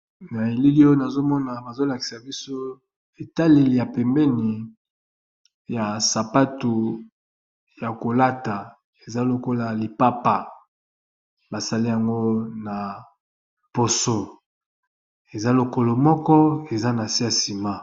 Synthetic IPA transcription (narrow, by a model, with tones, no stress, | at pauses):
na˨e˨li˦li˦o˦na˨zo˦mɔ˦na˨ba˨zo˦la˨ki̥˨sa˨bi˦so˦ | e˨ta˦le˨li˨ja˨pɛ˨mbɛ˦ni˨ | ja˨sa˨pa˦tu˨ | ja˨ko˨la˦ta˨ | e˨za˦lo˨ko˦la˨li˨pa˦pa˨ | ba˨sa˨li˦ja˨ŋɡo˦na˨ | po˨so˦ | e˨za˦lo˨ko˦lo˨mɔ˦kɔ˦e˨za˦na˨si˦ja˨si˨ma˦